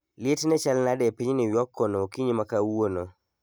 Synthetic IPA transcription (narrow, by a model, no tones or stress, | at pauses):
lɪetnɛt͡ʃalnadɛpiɲnɪwjɔkːɔnokiɲimakawono